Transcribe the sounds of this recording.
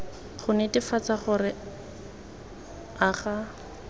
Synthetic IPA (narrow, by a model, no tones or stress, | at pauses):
χʊnetɪfat͡saχʊrɪ | aχa